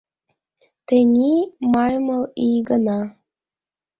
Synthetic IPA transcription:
t̪enʲimɑjmɤlˠijɡənɑ

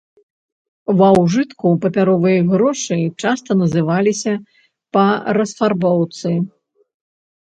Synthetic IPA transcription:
wɐwʐɨt̪kupɐpʲaɾɔvɨjɐɣɾɔʂɨt͡ʂast̪ɐnɐzɨvalʲisʲɐ | pɐɾɐsfarbɔwt̪sɨ

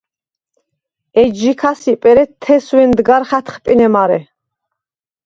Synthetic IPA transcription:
ɛd͡ʒikʰasipʼɛɾɛt̪ʰːɛswɛnd̪ɡaɾχat̪ʰχpʼinɛmaɾɛ̰

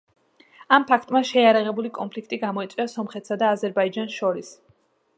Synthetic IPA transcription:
ampʰakʰt̪ʼmaʃɛjaɾaʁɛbulikʼɔnpʰlikʰt̪ʼiɡamɔit̪sʼwiasɔmχɛt̪ʰsad̪aːzɛɾbaid͡ʒansʃɔɾis

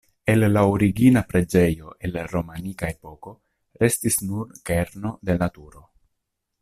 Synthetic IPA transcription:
e̞lːaoɾiɡinapɾe̞d͡ʒe̞jo̞ʔe̞lɾo̞manikae̞po̞ko̞ | ɾe̞stisnuɾkeɾno̞d̪e̞natuɾo̞

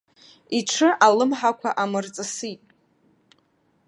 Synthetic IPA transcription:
iʈ͡ʂʰɨʔalɨmħakʷʰaʔamɨrt͡sʼɨsitʼ

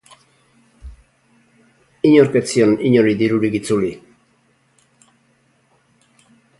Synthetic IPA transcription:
iɲoɾket͡sioniɲoɾid̪iɾuɾiɡit͡suli

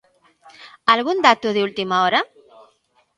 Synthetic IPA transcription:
alɣund̪at̪uðiult̪imaɔɾa

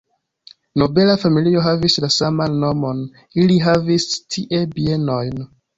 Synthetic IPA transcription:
no̞be̞lafamilio̞ɦavislasamanːo̞mo̞n | iliɦavistʰiʔe̞bie̞no̞jn

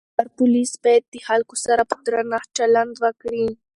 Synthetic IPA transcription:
aɾpʊlisbɑjad̪̚ːəhalkosaɾapə̥d̪ɾanat͡ʃaland̪wəkɽi

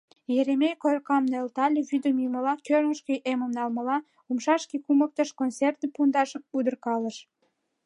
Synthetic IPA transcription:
jeɾemejkojkɑmnelt̪ɑlʲeβyd̪əmjuməlɑkørŋəʃkejʔemə̆mnɑlməlɑ | umʃɑʃkikumək̚t̪ə̆ʃkont͡sert̪əpund̪ɑʃud̪ərkɑləʃ

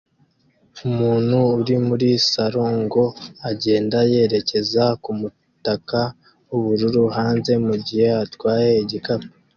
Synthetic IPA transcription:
umuːn̥huːɾimuɾisaɾoːŋɡo̞aɟe̞ːndaje̞ɾe̞ce̞zakumu | taka | wuβuɾuɾuhaːnze̞muɟihe̞atwaːjeiɟikape

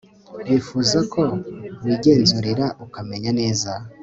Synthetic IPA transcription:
wifuzakʰo̞wiɡe̞ːnzuɾiɾaʔukame̞ɲane̞ːza

